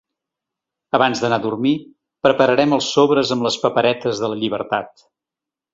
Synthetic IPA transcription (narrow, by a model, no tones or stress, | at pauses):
əβanzðənaðurmi | pɾəpəɾəɾɛməlˠsoβɾəzəmləspəpəɾɛt̪əzðələʎiβ̞əɾt̪at̪